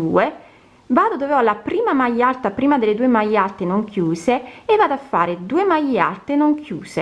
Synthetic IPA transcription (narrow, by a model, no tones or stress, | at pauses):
uːe | vaːd̪od̪oveɔlapɾiːmamajːalt̪apɾiːmad̪ɪlːed̪uːemajːalt̪enoŋkjuːseːvːaːd̪afːa̰ːɾed̪uːemaja̰lt̪enoŋkʰjuːse